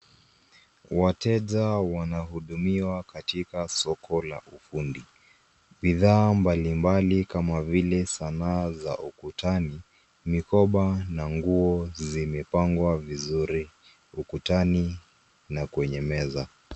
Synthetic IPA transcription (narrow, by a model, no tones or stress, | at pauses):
watɛʄawanahuɗumiwakatikasɔkʰɔla̰ʔufundi | ɓiðaːmbalimbalikamavilɛsanaːza̰ʔukutani | mikɔɓanaŋɡuɔzimɛpaŋɡwavizuɾi | ukutani | nakuɛɲɛmɛza